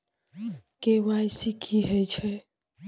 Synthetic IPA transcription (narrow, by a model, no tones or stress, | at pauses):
kewajsikʰiɦɛt͡ʃʰɛ